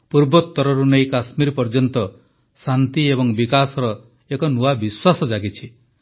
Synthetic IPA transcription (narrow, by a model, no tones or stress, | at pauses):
puɾbɔt̪ːɔɾɔɾunejkasmiɾpɔɾd͡ʒɔnt̪ɔ | sant̪iebɔŋbikasɔɾɔ | ekɔnuabiswasɔd͡ʒaɡit͡ʃʰi